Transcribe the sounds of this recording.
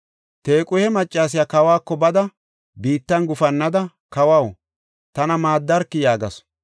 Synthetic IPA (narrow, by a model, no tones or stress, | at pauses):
t̪eːkʼʊjhɛmɐt͡ʃʼːaːs̬ɪjaːkɐwaːkːɔbɐd̪ɐ | biːt̪ːɐnɡʊfɐnːɐd̪ɐ | kɐwɐw | t̪ɐnɐmaːd̪ːɐɾkːɪjaːɡɐs